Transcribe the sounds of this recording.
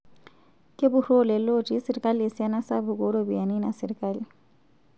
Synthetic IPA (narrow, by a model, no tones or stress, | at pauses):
kʼɪbʊrolɛlotʼisɪɾikʼaliesjanasabʊkʼoɺobijaninasɪɾikʼali